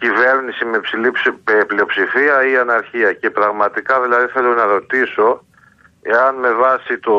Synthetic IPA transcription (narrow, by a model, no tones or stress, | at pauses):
cive̞ɾnisime̞psilipeplio̞psifiɐiɐnɐɾçiɐce̞pɾɐɣmɐt̪ikɐðilɐðiθe̞lonɐɾo̞t̪iso̞ | eɐnme̞vɐsit̪o